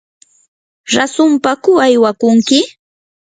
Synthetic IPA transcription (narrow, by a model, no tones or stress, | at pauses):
ɾasʊmpakʊajwakʊŋkɪ